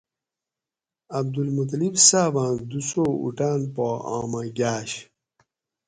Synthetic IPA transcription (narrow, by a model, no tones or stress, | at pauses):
ɐb̚d̪ulmut̪̬libsaːvãːd̪usoːṵʈaːnpoa̰ːmɐɡaːɕ